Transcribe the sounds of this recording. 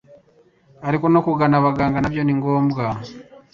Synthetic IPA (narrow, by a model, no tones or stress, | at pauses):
aɾikono̞kuɡanaβaɡaːŋɡanaβjoniŋɡo̞ːmbɡa